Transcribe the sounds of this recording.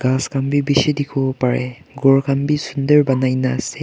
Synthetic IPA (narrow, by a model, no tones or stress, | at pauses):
ɡ̥askʰambibisidikʰopaɾeɡoɾkʰambisundɐɾbɐnajnase